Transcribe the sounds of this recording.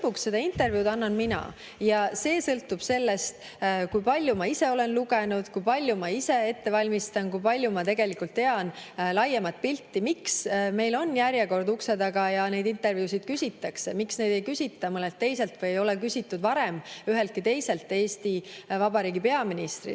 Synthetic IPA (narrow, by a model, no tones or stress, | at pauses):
pːuksːe̞d̪̥ɑint̪e̞rvjuːd̪ɑnːɑnminɑ̰ | jɑse̞ːsɤlt̪ːub̥se̞lːe̞st̪ | kujpɑlʲːjumɑise̞o̞le̞nluɡe̞nud̪̥kujpɑlʲjumɑise̞e̞t̪ːe̞vɑlʲmist̪ɑnkujpɑlʲjumɑt̪e̞ɡ̥e̞likult̪ːe̞ɑnlɑjemɑt̪̚pilʲt̪ːimiksme̞jlo̞nːjæɾjeko̞rd̪ukse̞d̪ɑɡ̥ɑjɑne̞jd̪int̪ːˑe̞rvjuːsʲid̪̥kysʲit̪ˑːɑkse̞miksne̞jd̪e̞jkysʲit̪ːˑɑmɤlːelt̪ːe̞jse̞lt̪vɤjejo̞lekysʲit̪ːud̪̥vɑɾe̞myɦelt̪̚kit̪e̞jse̞lt̪ːˑe̞ːsʲt̪ivɑbɑɾiːɡipe̞ɑminist̪rḭ